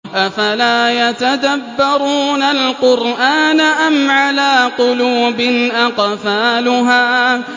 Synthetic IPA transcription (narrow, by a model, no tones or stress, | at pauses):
ʔafalaːjat̪ad̪abːɑɾuːnalqʊɾʔaːnaʔamʕalaːqʊluːbɪnʔaqfaːlʊɦaː